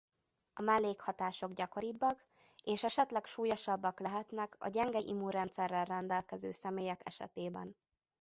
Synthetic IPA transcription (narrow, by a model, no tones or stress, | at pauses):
ɒmɛlːeːkhɒt̪aːʃo̞ɡɟɒko̞ɾibːɒk | eːʃɛʃɛt̪lɛkʃuːjoʃɒbːɒklɛɦɛt̪nɛkɒ̰ɟɛŋɡɛʔḭmuɾɛnt̪sɛrːɛlrɛnd̪ɛlkɛzøːsɛmeːjɛkɛʃɛ̰t̪eːbɛ̰n